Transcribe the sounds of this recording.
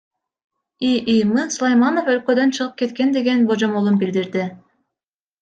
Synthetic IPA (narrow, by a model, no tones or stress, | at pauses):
iʔijmɯnsulˠajmano̞fø̞lkø̞d̪ø̞nt͡ʃʰɯʁɯp̚ke̞t̪ke̞nd̪e̞ɡe̞nbod͡ʒomolˠunbild̪iɾd̪ɪ